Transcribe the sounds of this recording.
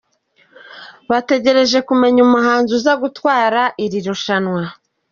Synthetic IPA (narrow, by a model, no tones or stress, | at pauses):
βate̞ɟe̞ɾe̞ʒe̞kume̞ɲumuɦaːnzuzaɡutwaːɾaʔiɾiɾoʃanwa